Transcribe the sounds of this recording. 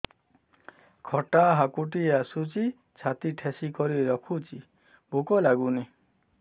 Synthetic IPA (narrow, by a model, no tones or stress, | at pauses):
kʰɔʈaɦakuʈijasut͡ʃi | t͡ʃʰat̪iʈʰesikɔɾiɾɔkʰut͡ʃi | bukɔlaɡuni